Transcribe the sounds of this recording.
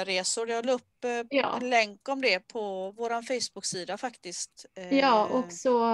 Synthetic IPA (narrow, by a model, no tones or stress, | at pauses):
ɾeːsʊɾdɛɔlɵpːjɑ̰ːnlɛŋkɔmd̪ɛpʰɔvoːɾanfɛjsbʊkːsiːd̪afakt̪ɪst̪jɑːʔɔksɔ